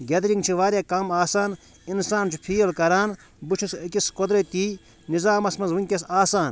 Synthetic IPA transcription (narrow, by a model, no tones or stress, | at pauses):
ɡɐd̪ɾiŋɡt͡ʃʰiʋaːɾʲekɐmaːsaːn | insaːnt͡ʃʰu̥pʰiːɐlkɐɾaːn | but͡ʃʰusikʲiskod̪ɾɐt̪iː | nizaːmɐsmɐnzʋunʲkʲɐsaːsaːn